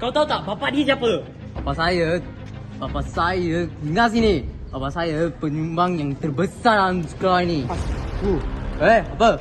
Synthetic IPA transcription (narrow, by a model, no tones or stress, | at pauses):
kawt̪aut̪aʔbapaʔdiəsiapə | bapasajə | bapasajəŋas̬ini | bapaʔsajəpəɲumbaŋjaŋt̪ərbəsaransu̥kainiueapə